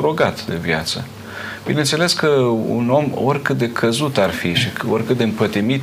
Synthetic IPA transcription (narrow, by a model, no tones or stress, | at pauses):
ɾo̞ɡat̪d̪e̞̰vja̰t̪sə̰ | b̥ine̞nt̪se̞le̞skəṵno̞mo̞̰rʲkɨt̪̚d̪e̞kʰəzut̪arfiʃiorʲkɨt̪̚d̪eɨmpət̪imit̪